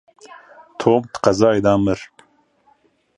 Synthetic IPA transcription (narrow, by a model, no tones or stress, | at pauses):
t̪ʰoːmt̪qɐzɑːid̪ɑːməɾ